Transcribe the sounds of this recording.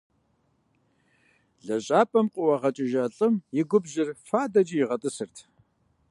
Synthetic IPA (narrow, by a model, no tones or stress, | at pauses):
ɮɐɕʼaːpʼɐmqʷʼʊwɐʁɐt͡ʃʼɪʒɐɬʼɨmjɪɡʷʊbʑɪrfaːdɐd͡ʒɪjɪʁɐtʼɨsɨrtʰ